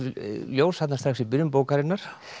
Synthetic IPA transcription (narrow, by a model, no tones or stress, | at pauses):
ljoːwsat̪nast̪ɾaxsipʏɾʏmpoːwkaɾɪnːaɾ̥